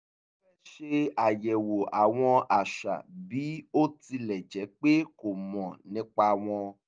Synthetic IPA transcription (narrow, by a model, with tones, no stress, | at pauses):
fɛ˦ʃe˦a˨jɛ˨wo˨ʔa˨w̃ɔ̃˧a˨ʃa̰˨bi˨˦o˦ti˧lɛ˨d͡ʒɛ˨˦k͡pe˦ko˨mɔ̃˨nĩ˨˦k͡pa˧˨w̃ɔ̃˧